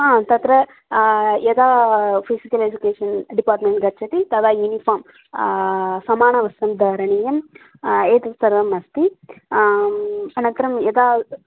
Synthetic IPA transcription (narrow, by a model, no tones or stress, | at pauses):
aːt̪ɐt̪ɾɐ | jed̪aːpʰisikɐled͡ʒukeːʂɐnɖipaːɾʈmeɳʈɡɐɾt͡ʃʰɐt̪it̪ɐd̪aːjunipʰoːɾm | sɐmaːɳɐʋɐst̪ɐmd̪ʱaːɾɐɳijɐm | eːt̪ɐsɐɾʋɐmɐst̪i | ɐnɐnt̪ɐɾɐmjɛd̪aː